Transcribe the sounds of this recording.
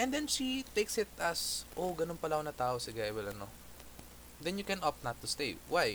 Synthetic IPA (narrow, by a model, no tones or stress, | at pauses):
ʔɛ̃nd̪ɛnʃit̪ejksɪt̪ɐsʔoɡɐnonpɐlɐʔonɐt̪aːʔosɪɡajwɛlɐno̰ | d̪ɛnjʊkɛ̃nʔɔp̚nɐt̪ːʊst̪ejwaj